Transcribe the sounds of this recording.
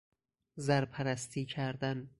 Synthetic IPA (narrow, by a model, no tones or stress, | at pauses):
zæɾpʰæɾæst̪ʰiːcʰæɾd̪æn